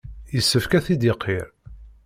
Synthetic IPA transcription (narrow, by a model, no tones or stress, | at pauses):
jəsːəfkæθid̪ɪqʰːiɾ